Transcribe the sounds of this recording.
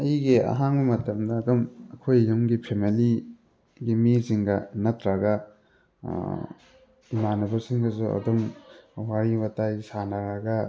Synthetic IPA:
ɐjɡiɐ̰ɦaŋbɐmɐtɐmdɐːdomɐkʰojːumɡipʰemili | ɡimisiŋɡɐnɐtɾɐɡɐ̰ | imanubɐɾsiŋɡɐsuɐ̰domwaɾibɐtajsanɐɾɐɡɐ

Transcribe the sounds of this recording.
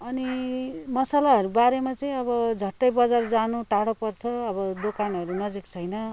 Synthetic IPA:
ʌnimʌsalaʌɾubaɾemat͡sʌĩʌbʌd͡zʱʌʈːʌjbʌd͡zard͡zanuʈaɽopʌrt͡sʰʌːbʌd̪okanʌɾunʌd͡zikt͡sʰʌjnʌ

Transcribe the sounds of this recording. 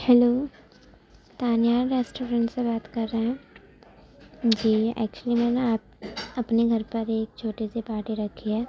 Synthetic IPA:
hɛloː | t̪aːnjaːɾeːsʈoːɾə̃ɳʈsebaːt̪kɐɾːəɦɛ̃ː | d͡ʒiːɛ̰ːk̚t͡ʃuəlimɛːneaːp̚ɐpneɡʱɐɾpɐɾeːk̚t͡ʃʰoːʈesepaːʈiɾɐkʰiɦɛː

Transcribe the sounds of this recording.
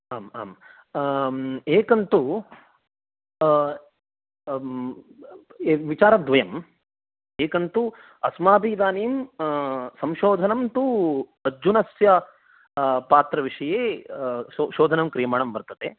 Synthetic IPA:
aːma̰ːm | eːkɐnt̪u | ʋit͡ʃaːɾɐd̪ʋɐjɐm | eːkɐnt̪u | ɐsmaːbiːd̪aːniːm | sɐmʃoːd̪ʱɐnɐmt̪uɐd͡ʒunɐsjɐ | paːt̪ɾɐʋiʂɐjeː | oʃoːd̪ʱɐnɐmkɾijɐmaːɳɐmbɐɾt̪ɐt̪e

